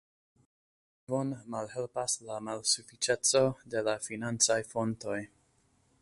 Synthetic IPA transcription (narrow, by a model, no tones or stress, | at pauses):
vonmalhe̞lpaslamalsufit͡ʃe̞t͡so̞de̞lafinant͡sajfo̞nto̞j